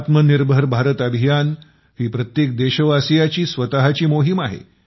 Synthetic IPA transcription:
t̪məniɾbʱəɾbʱaɾət̪əbʱijan | ɦiːpɾət̪jek̚d̪eɕəʋasijat͡ɕiːsʋət̪aɦat͡ɕiːmoɦimaɦḛ

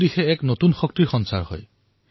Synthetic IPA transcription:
dixɛɛknotunxɔk̚tiɹxɔnsa̰ɹhɔ̰j

